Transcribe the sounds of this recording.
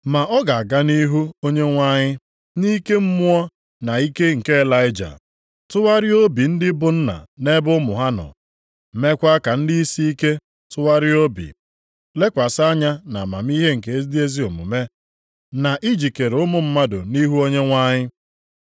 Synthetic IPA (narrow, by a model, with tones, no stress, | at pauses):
ma˨ʔɔ˦ɡa˨a˨ɡa˦ni˦ɦu˦o˦ɲe˦ŋʷa˦ɲɪ˦ | ni˦ke˦m̩˦mʊ˦ɔ˦ | na˨i˦ke˦ŋ̩˨ke˦e˦la˦ɪ˦d͡ʒa̰˨ | tʊ˦wa˦ɾɪ˦o˦bi˨n̩˦dɪ˦bʊ˦n̩˦na̰˨ne˦bʊ˦mʊ˨ɦa˦nɔ̰˨ | m̩˨me˦kʷa˦ka˨n̩˦di˦i˦si˦i˦ke˦ | tʊ˦wa˦ɾɪ˦o˦bḭ˨ | le˦kʷa˨sa˦ɲa˦na̰˨ma̰˨m̩˦i˦ɦe˦ŋ̩˨ke˨e˦zdi˦e˦zi˦o˨mṵ˨me˦ | na˨ʔi˦d͡ʒi˨ke˨ɾʊ˦mʊ˨m̩˦ma˦dʊ̰˨ni˦ɦu˦o˦ɲe˦ŋʷa˦ɲɪ˦